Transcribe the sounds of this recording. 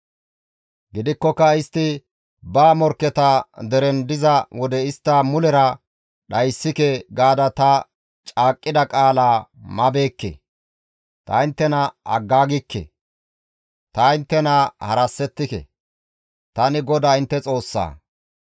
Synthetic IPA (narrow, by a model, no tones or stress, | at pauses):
ɡɪd̪ɪkːɔkːɐɪst̪ːɪ | baːmɔɾkːɛt̪ɐd̪ɛɾɛnd̪ɪzɐwɔd̪ɛɪst̪ːamʊlɛɾɐ | ɗɐjsːɪkɛɡaːd̪ɐt̪ɐ | t͡ʃʼaːkʼːɪd̪ɐkʼaːlaːmɐbe̞ːkːḛ | t̪ɐɪnt̪ːɛnɐɐ̰ɡːaːɡɪkːḛ | t̪ɐɪnt̪ːɛnɐhɐɾɐsːɛt̪ːɪkɛ̰ | t̪ɐnɪɡɔd̪aːɪnt̪ːɛt͡sʼo̞ːsːa̰ː